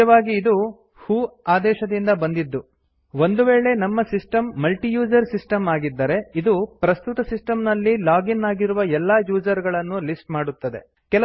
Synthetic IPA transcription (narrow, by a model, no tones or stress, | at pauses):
ɐʋaːɡiːd̪u | huːaːd̪ɛːʃɐd̪ind̪ɐbɐnd̪id̪ːu | ʋo̞nd̪uʋeːɭe̞nɐmːɐsisʈɐmːɐlʈijuːd͡ʒɐɾsisʈɐmaːɡid̪ːɐɾe̞id̪upɾɐst̪ut̪ɐsisʈɐmnɐlːilaːɡinːaːɡiɾuʋɐɛlːaːjuːd͡ʒɐɾɡɐɭɐnːulisʈmaːɽut̪ːɐd̪e̞̰ | kɛlɐ